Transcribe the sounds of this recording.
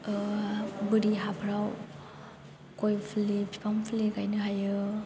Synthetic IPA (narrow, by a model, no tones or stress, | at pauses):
bɯɾiɦabʰɾaw | kojpʰlipʰi̥pʰampʰlikajnɯɦajɯ